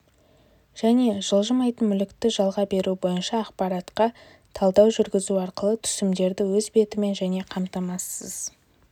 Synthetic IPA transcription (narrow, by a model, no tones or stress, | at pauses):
ʒ̥æne̞ʒəlˠʒəmɑjt̪ənmʏlɪkt̪ɪʒɑlˠʁɑbe̞ɾʔubo̞jənʃɑːqpɑɾɑt̪qɑ | t̪ʰɑlˠd̪ɑwʒʏɾɡʲɪzuɑɾqəlˠət̪ʰʏ̥sɪmd̪e̞ɾd̪ɪwɵzbe̞t̪ɪme̞nʒæne̞qʰɑmt̪ɑmɑsːəz̥